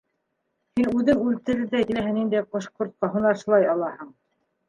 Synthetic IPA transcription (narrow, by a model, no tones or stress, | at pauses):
hinʉðɘŋʉlt̪ɘ̆ɾɘ̆ɾðækɘ̆læɦænind̪æjqŏʃqŭɾt̪̚qɑɦunɑʃŭlˠɑjɑlˠɑhɤɴ